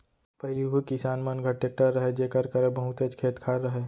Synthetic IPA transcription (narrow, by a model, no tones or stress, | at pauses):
pɐɦɪliɦukisaːnmənɡʱɐʈːek̚ʈəɾːɐɦed͡ʒeːkəɾkəɾəbəɦʊt̪əd͡ʒkʰeːt̪kʰaːɾɾəɦeː